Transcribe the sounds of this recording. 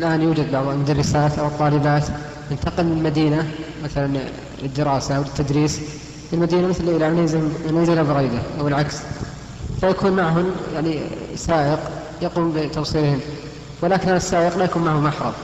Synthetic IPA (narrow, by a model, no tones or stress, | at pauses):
ɪlʔaːnjuːd͡ʒad̪̚bɑʕðˤalmʊd̪aɑrˤːɪsaːt̪ʔawɨt̪ˤːɑːlɪbaːt̪ | jɪnt̪ɑqɪlːɪlmad̪iːnamaθalan | lɪd̪ːɪɾɑːsawlɪt̪ːad̪ɾiːs | ɪlmad̪iːnamɪθlʔɪlanazmnazɪlabɪɾiːd̪aʔawɪlʕaks | fajakuːnmaʕɦʊmjaʕnisaːʔɪq | jaquːmbɪt̪ɑfsˤiːɾhɪm | wɪlaːkɪnhaasːaːʔɪqlajakuːnmaʕhʊmʔaħɾˤɑ̰b